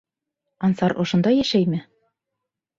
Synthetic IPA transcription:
ɑnsɑɾʔŏʃŏnd̪ɑjæʃæjmɘ

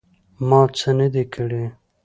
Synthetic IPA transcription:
mɑt͡sənəd̪ekʰəɽe

